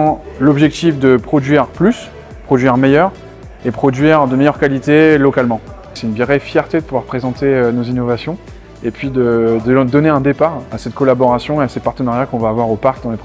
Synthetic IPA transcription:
lɔbʒɛk̚t̪ifd̪əpχɔd̪ɥiʁplys | pχɔd̪ɥiʁmejœʁ | epχɔd̪ɥiʁd̪əmejœʁkalit̪elɔkalmɑ̃ | sɛynviʁɛfjɛʁt̪ed̪əpuvwaʁpχezɑ̃t̪eønozinɔvasjɔ̃ | epɥid̪əd̪əd̪ɔneɛ̃d̪epaʁasɛt̪kɔlabɔʁasjɔ̃easepaʁt̪ənaʁjakɔ̃vaːvwaʁopaʁk̚d̪ɑ̃lep

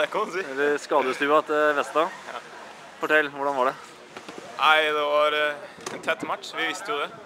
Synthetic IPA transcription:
kmsɛlːskɑːd̪əst̪ʉːɑt̪ʋɛst̪ɑː | fɔʈʰɛlːʋʊɖɑnʋɑɖɛ | aɪd̪ɛʋɑɾ | ɛnt̪ʰɛt̪ːmɑʈːʂʋɪʋɪst̪əjʊd̪ɛ

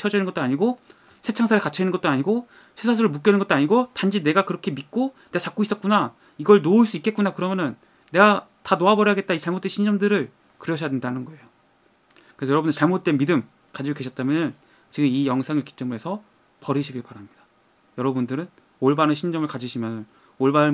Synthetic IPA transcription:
t͡ɕʰʌd͡ʑʌinɯnɡʌt͈oaɲiɡo | sʰe̞t͡ɕʰaŋsʰaɾekat͡ɕʰʌinɯnɡʌt͈oaɲiɡo | sʰesʰas̬ʰɯɾɯɭmuk͈jʌnɯnɡʌt͈oaɲiɡotand͡ʑine̞ɡakɯɾʌkʰe̞mit̚k͈one̞ɡat͡ɕak͈ois͈ʌt̚k͈una | iɡʌɭnoɭs͈uik͈e̞t̚k͈unakɯɾʌmjʌnɯnː | e̞ɡatanoabʌɾjʌaɡe̞t̚t͈ait͡ɕaɭmot͈e̞nɕʰind͡ʑʌmdɯɾɯɭ | kɯɾjʌd͡ʑʰʌjadwendanɯnɡʌe̞jo | kɯɾeʌjʌɾʌbundɭt͡ɕaɭmot͈̚e̞midɯm | kad͡ʑiɡokeɕʰʌt͈amjʌnɯn | t͡ɕiɡɯmijʌŋsʰaŋɯɭki̥t͡ɕ͈ɯmɯɾɦe̞sʰʌ | pʌɾɯɕʰiɡiɭpaɾamɲid̥ḁ | jʌɾʌbundɯɾɯn | oɭbanɯnɕʰind͡ʑʌmɯɭkad͡ʑiɕʰimjʌnɯn | oɭbanɯ

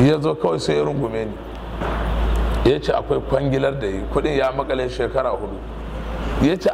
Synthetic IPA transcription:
jaːzoːkɐwajsoeɾʊŋɡʷʊmeːneː | jat͡ʃeːʔakʷajkʷɐŋɡʲɪlɐrdajikʷʊɗɪɲjaːmɐkʼɐleːʃeːkɐɽaːhʊɗu | jaːt͡ʃeː

